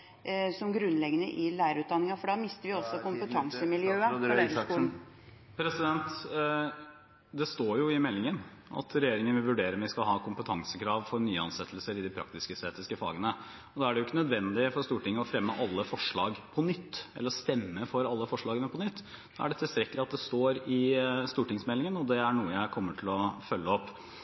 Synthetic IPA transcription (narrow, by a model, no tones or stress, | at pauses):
sɔmɡɾʉnːlɛɡənəʔɪlæɪɾəɾʉːt̪d̪ɑnːɪŋɑfɔɖɑmɪst̪əʋɪɔsːɔkʊmpət̪ʰɑŋsəmɪljøːəfɔɖɛskuːln̩ | pʰɾɛsɪd̪ɛnt̪ | d̪ɛst̪oːɾjʊɪmɛlːɪŋən | ɑ̰t̪ʰɾɛjeːɾɪŋənʋɪlʋʉɖeːɾəmɛæɪskɑlɦɑːkʊmpət̪ʰɑŋsəkʰɾɑːʋfɔɾnyːəɑnsɛt̪ʰːəlsəɾɪd̪ɪpʰɾɑ̰k̚t̪ɪskəst̪eːt̪ɪskəfɑ̰ːɡənə | ɔd̪ɑæɖɛjʊɪkːənœd̪ʋɛnd̪ɪfɔɾst̪uːʈɪŋːəɔfɾɛmːəʔɑlːəfɔʂɭɑːɡpʰɔnʏt̪ːɛ̰lːəɾst̪ɛmːəfɔɾɑlːəfɔʂɭɑːɡənəpʰɔnʏt̪ː | d̪̥ɑæ̰ɖɛt̪ʰɪlst̪ɾɛkːəlɪɑt̪̚d̪ɛst̪oːɾɪst̪uːʈɪŋsmɛlːɪŋənɔd̪ɛæɳuːəjæɪkʰɔmːəʈʰɪlɔfœlːəɔpː